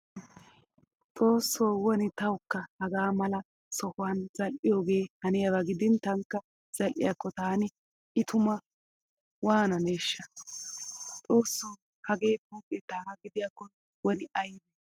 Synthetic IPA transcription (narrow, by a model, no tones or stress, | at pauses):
t͡sʼo̞ːsːoːwɔnɪt̪ɐwkːɐhɐɡaːmɐlɐ | sɔhʊwanzɐlʔɪjo̞ːɡe̞ːhɐnɪjɐbɐɡɪd̪ɪnt̪ɐŋkːɐ | z̥ɐlʔɪ̰jakːɔt̪aːnɪ | ɪt̪ʰʊmɐ | waːnɐneːʃːɐ | t͡sʼo̞ːsːoː | hɐɡe̞ːbuːpʼːɛt̪aːhɐɡɪd̪ɪjakːɔ | wɔnɪʔɐjnɛ